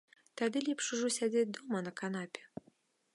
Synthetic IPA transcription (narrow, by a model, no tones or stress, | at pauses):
t̪ad̪ɨlʲɛpʂuʐɔsʲad͡zʲed͡zʲd̪ɔmɐnɐkanapʲɛ̥